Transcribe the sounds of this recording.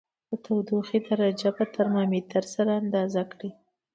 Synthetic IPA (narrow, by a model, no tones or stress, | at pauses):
d̪ət̪awd̪uxid̪aɾad͡ʒapət̪aɾmɑmit̪əɾsaɾaand̪ɑzakɽi